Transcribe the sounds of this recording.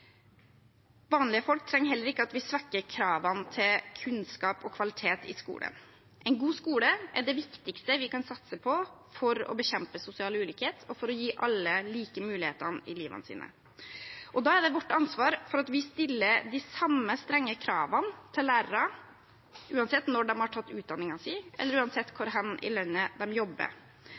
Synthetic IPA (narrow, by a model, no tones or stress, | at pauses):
ʋɑːnlɪəfɔlk̚t̪ʰɾɛŋːɦɛlːəɾɪkːəɑt̪ʋɪsʋɑkːəɾkʰɾɑːʋɑnt̪ʰɪlkʰʉnskɑːpɔkʰʋɑlɪt̪ʰeːt̪ɪ̰skṵːlə̰n | ʔɛɪnɡuːskuːləʔɛɖɛʋɪkt̪ɪkst̪əʋɪkɑnsɑt̪səpʰɔ | fɔɾɔ̰bəçɛmpəsʊsɪɑːlʉːlyːkheːt̪ʰɔfɔɾɔjiːʔɑlːəliːkəmʉːlɪhḛːt̪ənɪliːʋə̰nəsḭːnə̰ | ʔɔd̪ɑːæɖɛʋɔʈːɑnsʋɑːɾfɔɾɑt̪ʋɪst̪ɪlːəd̪ɪsɑmːəst̪ɾɛŋːəkʰɾɑːʋɑnt̪ʰɪlːæːɾɾɑ | ʔʉːɑnsɛt̪nɔɖɛmhɑʈʰɑt̪ːʉːt̪̚d̪ɑnːɪŋɑsɛɪʔɛ̰lːəɾʉːɑnsɛt̪ːkʰʊɾɦɑnʔɪ̰lœnːəd̪ɛmjɔbːə̰ɾ